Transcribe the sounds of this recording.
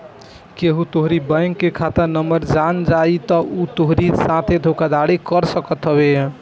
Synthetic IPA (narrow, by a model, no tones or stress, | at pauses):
keɦũt̪oɦɾibəjŋkːekʰat̪əɾnəməɾd͡ʒand͡ʒait̪ɔut̪oɦɾisãt̪ʰed̪ʱokad̪aɽikəɾsəkət̪ɦəβẽ